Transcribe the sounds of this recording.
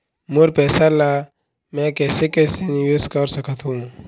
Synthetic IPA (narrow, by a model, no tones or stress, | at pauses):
moɾpɛːsala | mɛ̃kɛːsekɛsenijoskəɾsəkʰət̪ʰɦũː